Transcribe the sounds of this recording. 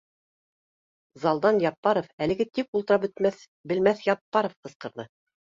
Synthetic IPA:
zɑlˠd̪ɑnjɑpːɑɾofælɘ̆ɡɘt̪ik̚ulˠt̪ɤ̆ɾɑpɵ̆t̪æθ | bɘ̆lmæθjɑpːɑɾofqɤ̆sqɤ̆ɾðɤ

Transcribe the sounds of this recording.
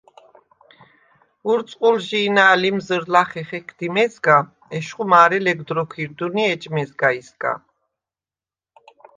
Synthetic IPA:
uɾt̪sʼqʼulʒiːnaːlimzəɾlaχɛχɛkʰd̪imɛzɡa | ɛʃχumaːɾɛlɛɡd̪ɾɔkʷʰiɾd̪uniɛt͡ʃʼmɛzɡaizɡa̰

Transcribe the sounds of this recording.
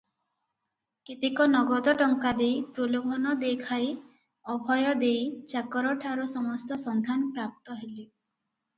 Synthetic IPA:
kit̪ikɔnɔɡɔd̪ɔʈɔŋkad̪ejpɾolobʱɔnɔd̪ekʰaj | ɔbʱɔjɔd̪ejt͡ʃakɔɾɔʈʰaɾusɔmɔst̪ɔsɔnd̪ʱanɔpɾap̚t̪ɔɦeli

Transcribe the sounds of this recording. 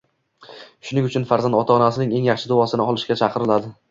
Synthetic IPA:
ʃʊnɪŋʊt͡ʃʰʊnfaɾzand̪ɒt̪ʰaɒnasɪnɪŋe̞ŋjɑχʃɪd̪ʊvɒsɪnɪɒlˠɪʃkʲat͡ʃʰɑqʰɨɾɪlad̪ɪ

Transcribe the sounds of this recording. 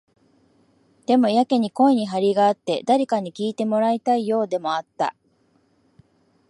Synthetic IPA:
d̪̥e̞mo̞jake̞ɲ̟iko̞eɲ̟iɦaɾʲiɡaːt̪ːe̞d̪aɾʲikaɲ̟ikʲiːt̪e̞mo̞ɾait̪aijo̞ːd̪e̞mo̞at̪ːa̰

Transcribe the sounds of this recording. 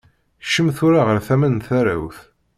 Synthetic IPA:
ʃəmθʊɾaʁəɾθæmənθæɾa̰wθ

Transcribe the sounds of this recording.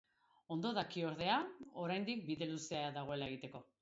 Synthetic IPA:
o̞nd̪o̞ðakio̞ɾð̞e̞ao̞ɾajnd̪ik̚biðe̞luseaðaɣ̞o̞e̞laeɣ̞it̪e̞ko̞

